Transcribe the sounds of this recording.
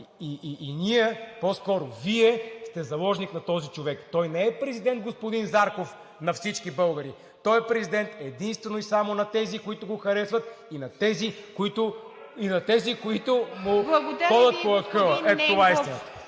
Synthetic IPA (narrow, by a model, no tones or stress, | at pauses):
iʔiʔːniɛpɔskɔɾʊviɛst̪ɛzɐlˠɔʒniknɐt̪ɔzit͡ʃovɛkt̪ɔjnɛɛpɾɛzid̪ɛnd̪̚ɡospʊd̪inzaɾkof | nɐfsit͡ʃkibɤlˠɡəɾi | t̪ɔɛpɾɛzid̪ɛnt̪ɛd̪inst̪vɛnoisamonɐt̪ɛzikoit̪ʊɡoxɐɾɛsvɐt̪inɐt̪ɛzikoit̪ʊ | inɐt̪ɛzikoit̪ʊmʊbˠɐɡ̪xɔd̪ət̪̚poɐkɤlˠəɛt̪t̪ovaisinət̪